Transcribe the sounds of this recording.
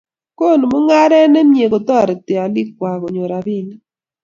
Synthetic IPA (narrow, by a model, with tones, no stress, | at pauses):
ko˦˨n˨mʊ˦ŋa˦ɾɛ˦nɛ˦mje˨ko˨tɔ˦˨ɾɛ˨tɪ˨a˨li˦k̚wa˨ko˨ɲo˨ɾa˨bi˦˨ni˦